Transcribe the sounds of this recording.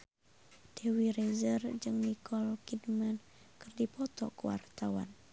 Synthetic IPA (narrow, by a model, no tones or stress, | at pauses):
d̥ewiɾezərd͡ʒɨŋnikʰɔlkidman | kɨrdipɔt̪ɔ̰kəwa̰rt̪awa̰n